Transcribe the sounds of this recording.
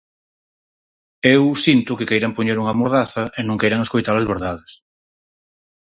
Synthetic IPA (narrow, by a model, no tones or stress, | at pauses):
ewsint̪ʊkɪkejɾɐmpoɲeɾuŋɐamoɾðaθɐʔenõŋkejɾaŋeskojt̪aɾlɐzβeɾðaðes